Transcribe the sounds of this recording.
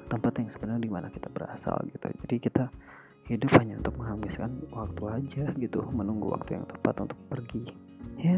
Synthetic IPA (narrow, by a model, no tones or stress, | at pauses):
t̪əmpat̪jaŋsəbənardimanakit̪abəɾa̰sa̰lɡit̪ṵd͡ʒadikit̪a | hidʊphaɲaṵnt̪ʊk̚məŋɦamɪskanwak̚t̪uad͡ʒaɡit̪umənuŋɡṵwa̰k̚t̪uja̰ŋt̪əmpat̪ṵnt̪ʊk̚pərɡi | ja